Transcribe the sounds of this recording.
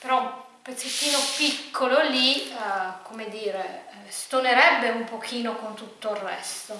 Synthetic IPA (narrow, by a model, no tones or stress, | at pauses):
peɾɔ | pːeset̪ːiːnopikːololi | komed̪iːɾe | st̪oneɾɛbːeumpokʰiːnokont̪ut̪ːoirːɛst̪o